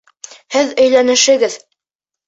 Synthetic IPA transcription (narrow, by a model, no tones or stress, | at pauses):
hɘðɵ̆jlænɘ̆ʃɘ̆ɡɘð